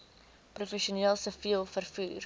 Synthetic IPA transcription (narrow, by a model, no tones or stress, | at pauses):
prufɛʃiuniəlˠsəfiəlˠfərfuːr